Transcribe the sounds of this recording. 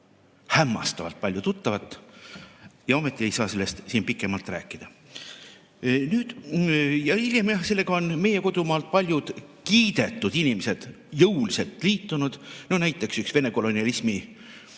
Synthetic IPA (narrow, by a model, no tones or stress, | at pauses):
hæmːɑ̰st̪ɑvɑ̰lt̪̚pɑlʲjut̪ut̪ːɑvɑt̪ːˑ | jɑo̞met̪ˑːie̞jsɑːse̞lːest̪siːnpikːˑemɑlt̪ˑræ̰ːkːˑid̪̥ɑ | nyːd̪̥jɑilʲjemjɑse̞lːe̞ɡ̥ɑo̞nme̞je̞ko̞d̪̥umɑːlt̪̚pɑlʲjud̪̥ | kiːd̪̥e̞t̪ːˑud̪̥inimesed̪̥ | jɤwlise̞lt̪ˑliːt̪ːˑunud̪̥no̞næjt̪ːˑe̞ksyksve̞ne̞ko̞lo̞niɑlismi